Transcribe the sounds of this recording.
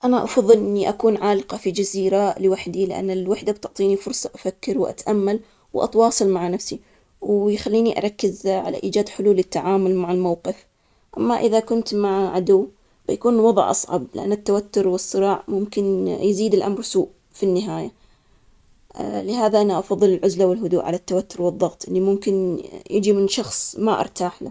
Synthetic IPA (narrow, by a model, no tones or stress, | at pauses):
ʔanaʔɑ̰fɑðˤːɨlʔɪnːiʔakuːnʕaːlɪqɑfid͡ʒaziːɾalɪwaħd̪ilɪʔa̰nːɪlwaħd̪ab̚t̪ʊʕt̪ˤiːnifʊɾsˤɑʔafakːɪɾwʔa̰t̪ʔamːal | wʔɑ̰t̪wɑːsˤɨlmaʕanafsi | wjxalːiːniʔa̰ɾˤɑkːɪzʕa̰la̰ʔiːd͡ʒaːd̪ħʊluːlɪt̪ːaʕaːmʊlmaʕɪlmawqɪf | ʔamːaʔɪðakʊnt̪maʕʕad̪ʊwː | bajakuːnwɑðˤʕʔɑ̰sˤʕɑ̰blɪʔa̰nːɪt̪ːawat̪ːʊɾwɨsˤːɨɾɑːʕmʊmkɪnjziːd̪ɪlʔamɾsuːʔ | finːɪɦaːja | lɪɦaːðaʔanaʔɑfɑðˤːɨlɪlʕʊzlawɪlɦʊd̪uːʔʕa̰lat̪ːawat̪ːʊɾwɨðˤːɑɣt̪ˤʔɪlːimʊmkɪnjɪd͡ʒimɪnʃɑxsˤmaʔɑ̰ɾˤt̪aːħla̰